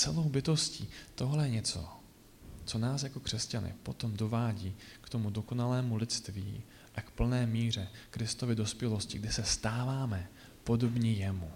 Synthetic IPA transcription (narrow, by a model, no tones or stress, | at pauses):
t͡sɛlo̞wbɪt̪o̞sciːt̪o̞ɦlɛjɛɲɛt͡so̞̰ | t͡so̞naːsjako̞kr̥ɛscanɪ̰po̞t̪o̞mdo̞vaːɟiːkt̪o̞mudo̞ko̞nalɛːmulɪt͡st̪vḭː | ʔakpl̩nɛːmiːr̝ɛkɾɪst̪o̞vɪdo̞spjɛlo̞scɪɡdɪsɛst̪aːvaːmɛ | po̞do̞bɲɛjɛmu